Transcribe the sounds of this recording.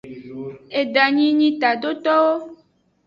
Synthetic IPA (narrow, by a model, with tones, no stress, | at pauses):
e˨ɖa˨ɲĩ˦ɲĩ˦t̪a˨ɖo˦t̪ɔ˦wo˦